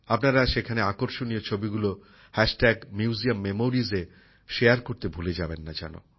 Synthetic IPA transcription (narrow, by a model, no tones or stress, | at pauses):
apnaɾaʃekʰaneakoɾʃonijot͡ɕʰobiɡulo | hɛʃʈɛɡmjuuziamːemoɾize | ʃejaɾkoɾt̪ebʱuled͡ʑabenːad͡ʑa̰no̰